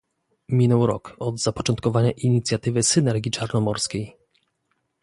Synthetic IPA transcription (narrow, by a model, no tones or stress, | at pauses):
mʲinɛwɾɔ̰kɔd̪zapɔt͡ʂɔnt̪̚kɔvaɲaʔiɲit̪sʲjat̪ɘvɘsɘnɛɾɡʲit͡ʂaɾnɔmɔɾskʲej